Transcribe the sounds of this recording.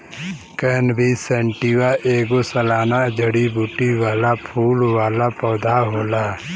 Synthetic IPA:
kənbʱisɛɳʈiwaʔeːɡosəlaːnad͡ʒəɽibuːʈiwaːlapʰuːlwaːlapɔːd̪ʱaɦoːlaː

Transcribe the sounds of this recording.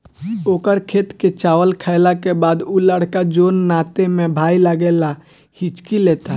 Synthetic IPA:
oːkəɾkʰeːt̪ket͡ʃaːwəlkʰəɪlakebaːd̪uləɽ̤kad͡ʒoːnːaːt̪emẽbʱaːiləɡela | hɪt͡ʃkileːt̪a

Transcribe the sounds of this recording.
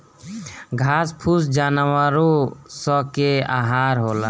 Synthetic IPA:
ɡʱaspʰusd͡ʒanwaɾosəkea̰ɦaɾɦolə

